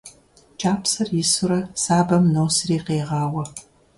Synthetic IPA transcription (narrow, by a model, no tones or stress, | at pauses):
t͡ʃʰaːpsɐrjɪsʊɾɐsaːbɐmnowsriːqeːʁɑːwɐ